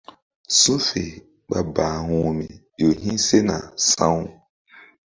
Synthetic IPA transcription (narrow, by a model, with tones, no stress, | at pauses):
sũ˦fe˨ | ɓa˨ba˨hũ˨mḭ˨ | jo˨hĩ˦se˦na̰˨sã˦w